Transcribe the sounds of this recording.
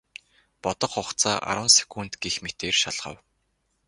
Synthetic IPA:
pɔt̪ɞ̆χχʊχt͡sʰaːʔa̰ɾwə̆nse̥kuːn̥t̪ɡexmet̪eːrʃaɮχə̰̆w

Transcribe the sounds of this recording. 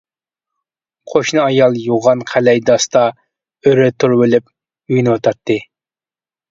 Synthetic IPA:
qʰoʃnɨɑjɑlˠjuʁɑnqʰælɛjd̪ɑst̪ɑ | øɾɛt̪ʰuɾwelɪp̚ | yjnɨot̪ʰɑt̪ʰːɨ

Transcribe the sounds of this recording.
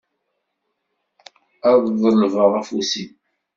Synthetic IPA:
æððˤəlvəʁæfusim

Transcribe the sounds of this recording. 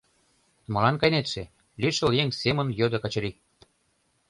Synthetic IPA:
mɤ̆lɑnkɑjnet̪ʃĕ | lʲiʃĕljeŋsemə̆njød̪okɑt͡ɕɤ̆ɾik̚

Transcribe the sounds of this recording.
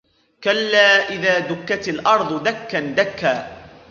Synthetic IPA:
kalːaːʔɪðaːd̪ʊkːat̪alʔɑɾˤd̪ˤd̪akːand̪akːaː

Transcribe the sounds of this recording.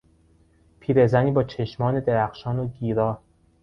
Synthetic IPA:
pʰiːɾe̞zæniːbɒːt͡ʃʰeʃmɒːne̞d̪eɾæxʃɒːnoɡiːɾɒː

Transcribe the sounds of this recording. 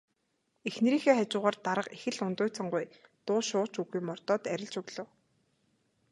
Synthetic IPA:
exneɾiːxeːχat͡ɕʊːʁaːrt̪aɾə̆qexɘ̆ɮʊnt̪ʊːjʰt͡sə̆ɴɢʊjt̪ʊːʃʊːt͡ɕuɣujmɔr̥t̪ɔːt̪æɾʲɪ̆ɮt͡ɕɵɣɮə̆w

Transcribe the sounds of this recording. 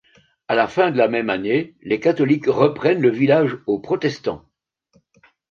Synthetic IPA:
alafɛ̃d̪əlamɛmanelekat̪ɔlikʁəpχɛnləvilaʒopχɔt̪ɛst̪ɑ̰̃

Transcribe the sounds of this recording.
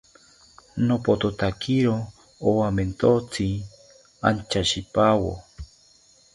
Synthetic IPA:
nopot̪ot̪akiɾo | owament̪ot͡si | a̰nt͡ʃaʃipawo̰

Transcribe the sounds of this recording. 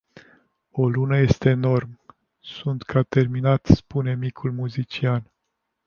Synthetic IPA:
o̞lunəje̞st̪eːno̞rm | sunt̪kʰat̪e̞rminat̪spune̞mikʰulmuzit͡ʃian

